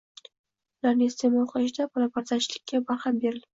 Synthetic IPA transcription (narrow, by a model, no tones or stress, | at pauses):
ʊlaɾnɪst̪ʰemɒlqʰɑʃd̪abʰɒlˠapaɾzat͡ʃʰɪlɪkʲʰːabaɾhambe̞ɾɪl